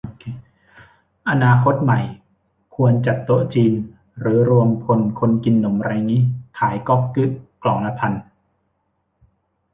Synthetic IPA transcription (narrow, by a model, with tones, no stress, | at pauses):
ʔa˧naː˧kʰo˦˥t̪̚ma˨˩j | kʰu˧ənt͡ɕa˨˩t̪ːo˧˥t͡ɕiː˧n | ɾɯː˩˦ɾu˧əmkʰo˧nkʰo˧nki˧nːo˩˦mɾa˧jŋiː˦˥kʰaː˩˦jkɔ˦˥˩k̚kɯ˦˥ʔklɔː˩˦ŋla˧˥pʰa˧n